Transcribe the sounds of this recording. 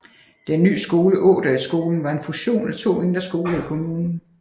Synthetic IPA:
d̥enːy̰ːsɡ̥o̝ːləʔɔ̰̽ːd̥ɐisɡ̥o̝ːln̩ʋɑ̈e̝nfuɕo̝̰ːnæt͡sʰo̝̰ːe̝nd̥ɐsɡ̥o̝ːlɐikʰo̝muːnn̩

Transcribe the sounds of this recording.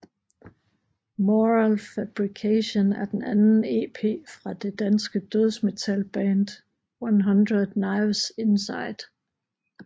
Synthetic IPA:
moʁalfæb̥ʁikʰæɕonæɐd̥enænn̩e̝̰ːpʰe̝̰ːfʁɑ̈d̥e̝d̥ænsɡ̥əd̥øð̞ˠsme̝t͡sʰælb̥ɛːnd̥ | wanɦɑnd̥ʁɐ̥nɑ̈ɪʋse̝nsɑ̈ɪd̥

